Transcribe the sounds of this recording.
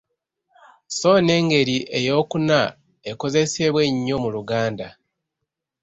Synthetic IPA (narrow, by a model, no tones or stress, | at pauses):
so̞ːne̞ːŋɡe̞ɾiʔe̞jo̞ːkuna | eko̞ze̞seβwe̞ɲːo̞muluɡaːnda